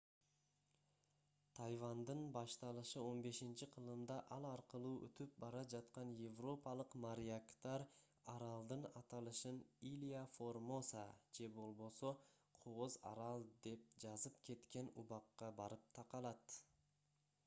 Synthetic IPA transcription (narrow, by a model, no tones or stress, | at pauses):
t̪ʰɑjvɑnd̪ɯnbɑʃt̪ɑlˠɯʃɯo̞nbe̞ʃint͡ʃiqʰɯlˠɯmd̪ɑʔɑlˠɑɾqɯlˠuːʔø̰t̪yp̚bɑɾɑd͡ʒɑt̪qɑnjevro̞pɑlˠɯqmaɾʲiakt̪ɑɾ | ɑɾɑlˠd̪ɯnɑt̪ɑlˠɯʃɯnilʲiafo̞rmo̞sad͡ʒe̞bo̞lˠβo̞so̞ | qʰoʁozɑ̰ɾɑlˠd̪e̞p̚d͡ʒɑzɯpkʰe̞t̪ke̞nuβɑqːɑbɑɾɯp̚t̪ʰɑqɑlˠɑt̪